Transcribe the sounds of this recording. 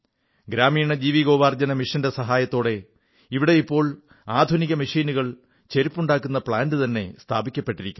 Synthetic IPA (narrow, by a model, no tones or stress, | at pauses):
ɡɾaːmiːɳɐd͡ʑiːʋiɡo̞ːʋaːrd͡ʑɐnɐmiʂɐnde̞sɐɦaːjɐt̪ːo̞ːɽe̞ | iʋiɽe̞ipːo̞ːɭ | aːd̪ʱuniɣɐmiʂiːnuɣɐɭ | t͡ɕe̞ɾipːuɳɖaːkːunːɐpɭaːndɨt̪ɐnːe̞st̪ʰaːbʱikʲːɐpːe̞ʈːiɾikʲːum